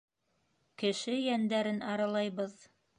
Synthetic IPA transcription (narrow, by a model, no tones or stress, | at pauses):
kɘ̆ʃɘjænd̪æɾɘnɑɾɑlˠɑjβɤð